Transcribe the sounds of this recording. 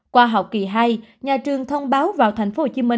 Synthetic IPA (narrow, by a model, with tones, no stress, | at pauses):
kwaː˧ɦa˨˩w̚ki˧˩ɦaː˧jɲaː˨˩t͡ɕɨ˨˩əŋt̪ʰə˧wŋ͡mɓaː˨˦wvaː˨˩wt̪ʰɛ˨˩jŋ̟fo˧˦ho˧˩t͡ɕi˨˦mï˧